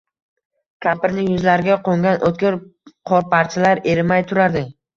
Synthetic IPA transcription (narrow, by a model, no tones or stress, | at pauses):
kʲʰapɪɾnɪjʊzlaɾɪɡʲaqʰoŋɡʲanʔot̪̚kʲɪɾqʰɒɾpʰaɾt͡ʃʰalaɾe̞ɾɪmajt̪ʰʊɾaɾd̪ɪ